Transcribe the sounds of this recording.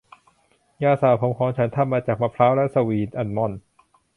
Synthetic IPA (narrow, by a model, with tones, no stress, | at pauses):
jaː˧˩saː˨˩wpʰo˨˦mkʰɔː˨˦ŋt͡ɕʰa˦˥nt̪ʰa˧˥˩mːaː˧t͡ɕaː˨˩k̚ma˧˥pʰɾaː˦˥wlɛ˦˥ʔsa˧wiː˨˩nʔa˧˩nmɔ˧˩n